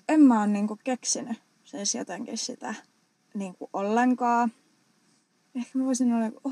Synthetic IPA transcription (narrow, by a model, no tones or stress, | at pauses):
emmæoːnniːŋkukeksiny | sensjo̰t̪eŋkissit̪æ | niːŋkuʔolːeŋkɑː | ehkæmæʋoisinolːɑ